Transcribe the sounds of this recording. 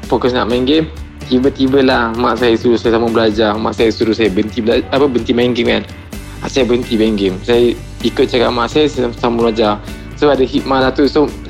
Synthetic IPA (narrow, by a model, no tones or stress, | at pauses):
fokəsnaʔmaiŋɡem | t̪ibət̪ibəlahmaʔsajəsuɾusajəsamabəlad͡ʒama̰ʔsajəsuɾusajəbənt̪iblaapəbənt̪imaiŋɡɪmkan | asajəbəənt̪ibaiŋɡemsajə | ikʊt̪̚t͡ʃakaʔ̚maʔsajəsasamulad͡ʒa | soadəhit̪̚malat̪uso